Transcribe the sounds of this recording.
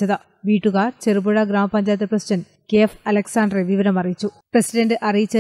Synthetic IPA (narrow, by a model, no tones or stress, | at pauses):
ɐðɐ | ʋiːʈːuɣaːt͡ɕerubuɻɐɡɾaːmɐpɐɲd͡ʑaːjt̪ɐprɐsiɖɐnɖ | keːfɐlɐksaːɳɖreʋiʋɐɾɐmɐrijit͡ɕːu | presiɖɐɳɖɨʔɐrijit͡ɕːɐ